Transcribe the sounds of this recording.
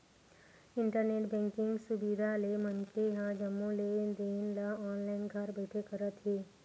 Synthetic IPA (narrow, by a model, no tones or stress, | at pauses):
ɪ̃ɳʈəɾneːʈbɛ̃ːŋkɪ̃ŋɡsʊbid̪ʱalemənkeɦãd͡ʒəmːõled̪iːnlaaːnlaːɪnɡʱaɾbəɪʈʰekɐɾət̪ɦeː